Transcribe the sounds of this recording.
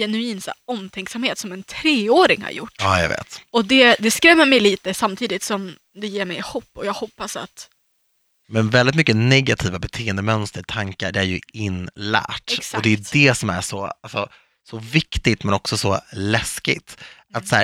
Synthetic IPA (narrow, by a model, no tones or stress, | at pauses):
jɛnʉiːnsa̰ɔmt̪ʰɛŋksamheːt̪sɔmɛnt̪ʰɾeːoːɾɪŋha̰ɾjʊ̰ʈːɑːja̰ɡvḛːt̪ɔd̪ɛd̪ɛskɾɛmːəɾmɛjliːt̪əsamt̪ʰiːd̪ɪt̪sɔm | d̪ɛjeːɾmɛjɪhuːpːɔjɑːɡhɔpːasa̰t̪ | mɛnvɛld̪ɪt̪mʏkːənɛɡat̪ʰiːvabɛt̪ʰeːɛnd̪əmœnst̪əɾʈ̪ʰaŋka̰ɖɛæɾjɵ̰ɪnːlæ̰ːʈɛksɔd̪ɛjʉtd̪ɛsɔmæ̰ʂɔ̰alsɔ | sɔvɪkt̪ɪt̪mɛnɔksɔsɔlɛskɪ̰t̪ | at̪sæ̰ː